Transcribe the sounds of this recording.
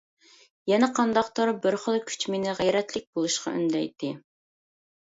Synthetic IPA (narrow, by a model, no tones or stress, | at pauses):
jɛnɛqʰɑnd̪ɑqt̪oɾbɪɾχəlˠkʲʰy̥t͡ʃmenɪʁæjɾɛt̪lɪk̚ʲbolˠuʃqɑ̰y̰nd̪ɛ̰jt̪ʰːɪ